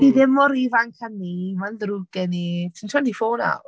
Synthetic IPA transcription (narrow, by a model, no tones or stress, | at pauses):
d̥iðɪmɔɾivankʰanimanðɾuɡɛnitʰintʰɔndifoːna̰